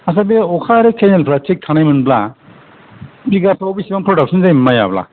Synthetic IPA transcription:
as̬abeɔkʰaɾekʰenelpʰɾatʰik̚tʰanajmɯnbla | biɡapʰɾowbisibampʰɾɔdak̚sɔnzajmaja̰bla̰

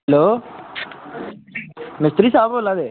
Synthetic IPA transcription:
loː | mist̪ɾisaːbolad̪e

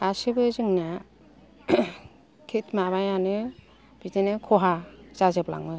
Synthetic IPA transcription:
asɯbɯzɯŋna | kʰetʰmabajanɯ | b̥itenɯkʰɔɦaz̥azɯpla̰ŋnɯ

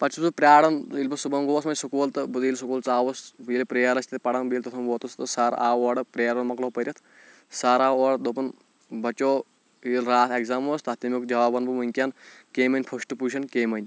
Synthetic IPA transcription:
pɐt͡ʃʰusɨpɾʲaːɽɐnilbɐsubɐŋɡoːsmɐnʲsukoːlt̪ɨbud̪iːlsukuːlt͡saːʋɐsbiːlpɾeːɐɾɐsʲt̪it̪pɐɽɐnbiːlʲt̪ɐt̪ʰɐnʋoːt̪ust̪ɨsaɾaːoːɽɨpɾeːɐɾɐnmɐkloːpɐɾʲjɐt̪ʰ | saːɾaːoːɽd̪opɐn | bɐt͡ʃoː | ilɾaːt̪ekzaːmoːst̪ɐt̪imʲukd͡ʒʲɐʋaːbɐnbɨmuŋʲkʲaːnkeːmɐnʲpʰɐsʈɨpuːʃʰɐnkeːmɐnʲ

